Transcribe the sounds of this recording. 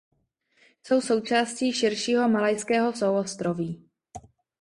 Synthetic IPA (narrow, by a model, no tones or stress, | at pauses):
so̞wso̞wt͡ʃaːsciːʃɪɾʃiːɦo̞malajskɛːɦo̞sowost̪ɾoviː